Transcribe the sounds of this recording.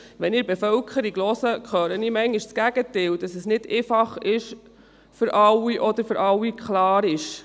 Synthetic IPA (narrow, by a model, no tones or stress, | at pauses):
ʋɛniːɾbɛfœlkʰəɾiɡlɔsəkχœːɾənimɛŋɪʃsɡ̥æɡ̥ət̪ɪld̥ɑsəsnɪd̥eːfɑχɪʃ | fʏɾʔɑwiʔɔd̪əɾfʏɾʔɑwːikχlɑːɾɪʃ